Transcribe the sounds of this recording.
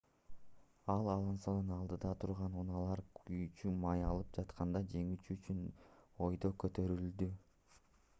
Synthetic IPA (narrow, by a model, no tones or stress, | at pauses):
ɑlˠɑlˠɑnsɑnɯnɑlˠd̪ɯd̪ɑt̪ʰuɾʁɑnunɑlˠɑɾkyt͡ʃymɑjɑlˠɯp̚d͡ʒɑt̪qʰɑnd̪ɑd͡ʒe̞ŋyt͡ʃyt͡ʃyno̞jd̪o̞kø̞t̪ø̞ɾyld̪y